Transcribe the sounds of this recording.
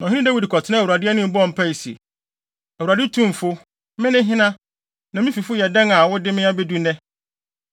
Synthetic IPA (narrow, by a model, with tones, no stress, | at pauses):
nã˨ɪ̃˦ĩ˦dæ˦wi˦dkʰɔ˨tʰɪ˦nã˦˨wu˨ɾa˨dɪ˦ɛ˦nɪ̃˦m̩˦bɔ˦ɔ˨m̩˨pʰa˦i˨si˨ḛ˨ | æ˨wu˨ɾa˨dɪ˦tʰũ˦m˨fʊ˦ | mɪ̃˦nɪ̃˦ɦɪ̃˦nã˦ | nã˨mĩ˦fi˨fʊ˦jɛ˨dã˦ŋa˨wʊ˦dɪ˦mɪ̃˦a˦be˦du˦nɛ̃˦